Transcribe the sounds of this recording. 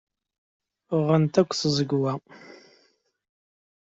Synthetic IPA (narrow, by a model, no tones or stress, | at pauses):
ʁənt̪ækʷʰːθəzəɡʷwa